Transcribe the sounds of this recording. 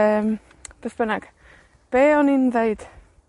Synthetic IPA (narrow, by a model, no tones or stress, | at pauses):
əːm | b̥əθb̥ənaɡ̥ | b̥eːɔnindeɨd̥